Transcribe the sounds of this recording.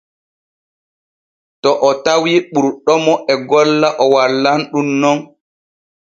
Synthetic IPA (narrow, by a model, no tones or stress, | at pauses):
tɔʔɔtawiɓuɾɗɔmɔʔɛɡɔlːaʔɔwalːanɗunːɔn